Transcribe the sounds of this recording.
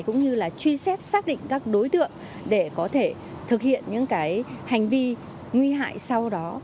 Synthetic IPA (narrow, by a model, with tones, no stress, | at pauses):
jkʊ̰˧˥ŋ͡mɲɨ˧laː˨˩t͡ɕwi˧sɛ˦˥t̚saː˦˥k̚ɗḭ˧˨ŋ̟kaː˦˥k̚ɗo˨˦jt̪ɨ̰˧˨əŋ | ɗe˧˩kɔ˨˦t̪ʰe˧˩ | t̪ʰɨ˨˩k̚hḭ˧˨ənɲɨ̰˧˥ŋkaː˨˦jha˨˩jŋ̟vi˧ | ŋwi˧ɦa̰ː˧˨jsa˧wɗɔ˨˦